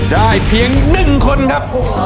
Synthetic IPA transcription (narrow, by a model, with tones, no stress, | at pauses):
daː˥˩jpʰi˧əŋnɯ˨˩ŋkʰo˧nkʰa˦˥p̚